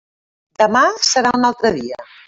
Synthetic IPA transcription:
d̪əmasəɾaunalˠt̪ɾəðiə

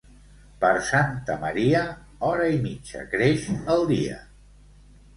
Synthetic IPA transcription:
pəɾsant̪əməɾiə | ɔɾəimid͡ʒə̰kɾeʃəlˠd̪iə̰

